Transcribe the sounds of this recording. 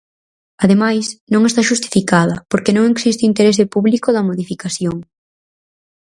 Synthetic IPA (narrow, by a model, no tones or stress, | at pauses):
aðemajsnõŋest̪aʃust̪i̥fikaðɐpoɾkenõŋeksist̪ɪint̪eɾezðɪpuβlikoðɐmoðifikaθjoŋ